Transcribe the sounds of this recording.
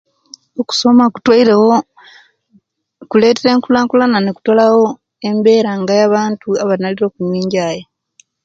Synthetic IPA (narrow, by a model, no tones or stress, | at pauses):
oku̥so̞maku̥twaiɾewo | kule̞ːteɾe̞ːŋkulaːŋkulananeku̥tolawo̞ | e̞mbe̞ːɾaŋɡajaβaːntuaβanaliɾo̞ːkuɲwiːɲɟaːje